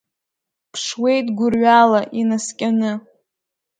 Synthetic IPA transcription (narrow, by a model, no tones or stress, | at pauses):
pʰʂwe̞jtʼɡʷʊrɥalaʔinaskʲʼanɨ